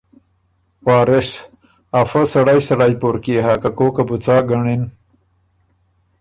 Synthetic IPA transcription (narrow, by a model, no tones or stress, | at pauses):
waːɾeʂ | afɐsɐɽajsɐɽajpoɾkiɦaːkakoːkabut͡saːɡɐɳin